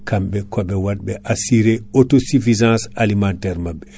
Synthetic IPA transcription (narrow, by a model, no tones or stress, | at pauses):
kʰamɓɛkɔɓɛwadɓɛʔasiɾeotosifizãnsalimantɛɾmabːɛ